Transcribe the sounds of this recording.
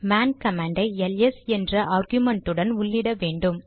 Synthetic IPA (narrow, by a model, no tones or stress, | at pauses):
maːnkɐmaːɳɖɐɪɛlɛsɛndrɐʔaːɾɡjʊmɐɳʈɯɽɐnʊɭːɪɽɐʋeːɳɖɯm